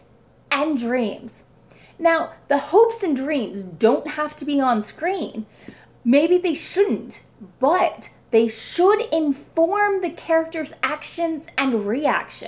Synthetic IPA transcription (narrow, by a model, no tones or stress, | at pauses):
ʔɨ̃ndɹĩmz̥ | naʊðəhoʊpsɨ̃ndɹĩmzdõʊ̃nt̚hæftɨbiə̃nskɹĩn | meɪbiðeɪʃʊdⁿn̩t | b̥ʌt̪̚ | ðeɪʃʊɾɪ̃ɱfɔɹmðɨkʰɛɹɨk̚tə˞zækʃɨ̃nzɨ̃nɹiæ̰kʃɨ̰̃